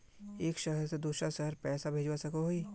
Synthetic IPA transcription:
eːkʃəɦəɾsed̪uːsɾaʃɐɦəɾpɛːsabʱeːd͡ʒwasɐkoɦoiː

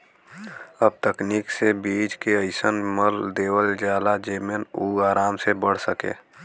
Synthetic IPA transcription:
əb̚t̪əkniːksebid͡ʒkeəɪsənməld̪eːwəld͡ʒaːlad͡ʒeːmjənuaːɾaːmsebəɽ̤səkḛː

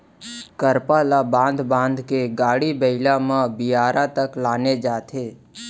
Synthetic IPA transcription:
kəɾpalabãːnd̪bãːnd̪keɡaːɽibəɪlamãbɪaːɾʔat̪əklaːned͡ʒaːt̪ʰeː

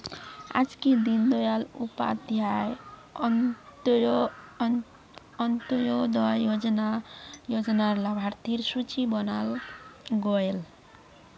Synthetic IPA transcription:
a̰d͡zkid̪ind̪ɔjalṵpa̰d̪ʱjaj | ʌnt̪jod̪ʌjod͡zʌnajod͡zʌnarlabʱart̪ʰirsut͡sibʌnalɡʌel

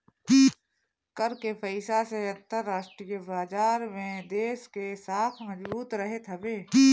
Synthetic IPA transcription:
kəɾkepʰəɪsaseɐ̃nt̪əɾːaːʃʈɾijəbaːd͡ʒaːɾmẽd̪eːskesaːt̪ʰmɐd͡ʒbbuːt̪ɾɐɦet̪ʰɐbeː

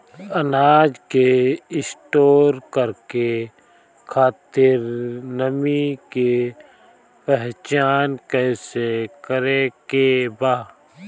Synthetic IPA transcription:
ənaːd͡ʒkeɪsʈoːɾkəɾke | kʰaːt̪ɪɾnəmike | pɛɦt͡ʃaːnkɛsekəɾekebaː

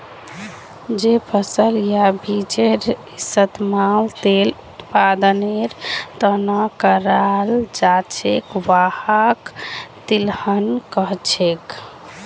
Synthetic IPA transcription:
d͡ʒepʰəsəljabʱid͡ʒeɾ | sət̪malt̪elut̪pad̪əneɾt̪ənakəɾald͡ʒat͡ʃʰekʋahakt̪ilhənkəɦt͡ʃʰek

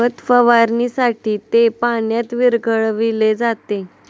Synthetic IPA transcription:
ət̪fəʋaɾnisaʈiːt̪epaɳjat̪ʋiɾɡəɭʋiled͡zat̪e

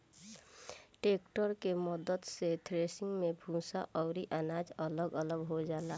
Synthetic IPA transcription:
ʈeːkʈəɾkeməd̪əd̪set̪ʰɾesɪ̃ŋɡmẽbʱũsaʔɔʊɾiʔənaːd͡ʒələɡələɡɦod͡ʒaːla

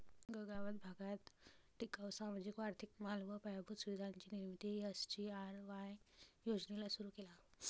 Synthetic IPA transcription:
ɡəɡaʋəd̪bʱaɡat̪ʈikawsamad͡ʑikʋaɾt̪ʰikmalʋəpajabʱut̪suʋid̪ʱaɲt͡ɕiːniɾmit̪iəst͡ɕiaɾʋãjjod͡ʑnelasuɾuːkela

